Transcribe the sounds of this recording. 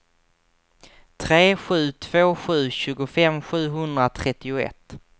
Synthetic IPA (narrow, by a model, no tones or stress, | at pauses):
t̪ʰɾeːɧʉ̟ːt̪ʰv̥oːɧʉ̟ːɕʉ̟ːɡʊfɛmɧʉ̟ːɦɵnd̪ɾat̪ʰɾɛt̪ːɪʊɛ̰t̪ː